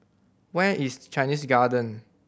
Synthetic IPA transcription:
wɛʔist͡ʃãɪnisɡadə̃n

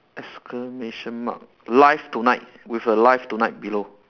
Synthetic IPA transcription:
ʔɛskʰəmeʃə̃nma̰k̚ | laɪftunaɪt̚ | wifəlaɪftunajt̚bilo

